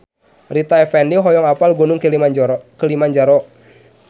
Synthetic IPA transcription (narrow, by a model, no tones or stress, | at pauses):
rit̪aɛfɛndiɦɔjɔŋapalɡɔnuŋ | kəlimand͡ʒaɾɔʔ